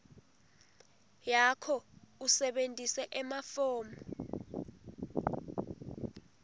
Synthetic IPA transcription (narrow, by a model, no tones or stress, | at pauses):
jakʰɔusɛɓentʼisɛʔɛmafɔːmɔ